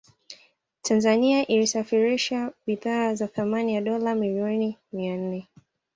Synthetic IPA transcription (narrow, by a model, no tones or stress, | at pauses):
tʰanzaniaʔilisafiɾiʃaɓiðaːzaθamanijaɗɔlamiliɔnimian̩nɛ